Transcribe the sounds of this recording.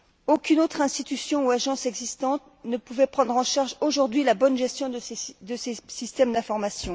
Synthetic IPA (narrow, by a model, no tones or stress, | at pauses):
okʲynot̪χɛ̃st̪it̪ysjɔ̃uaʒɑ̃sɛɡzist̪ɑ̃t̪̚ | nəpuvɛpχɑ̃d̪ʁɑ̃ʃaʁʒoʒuʁd̪ɥilabɔnʒɛst̪jɔ̃d̪əsesist̪ɛmd̪ɛ̃fɔʁmasjɔ̃